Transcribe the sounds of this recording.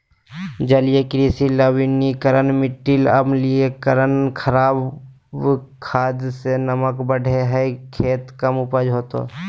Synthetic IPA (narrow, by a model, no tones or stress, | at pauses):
d͡ʒəlijekɾiːsiləwinikəɾənmɪʈːɪləbliekəɾənkʰəɾaːb | kʰaːd̪senəməkbəɽʱeɦɛkʰeːt̪kəmʊpəd͡ʒɦoːt̪o̰ː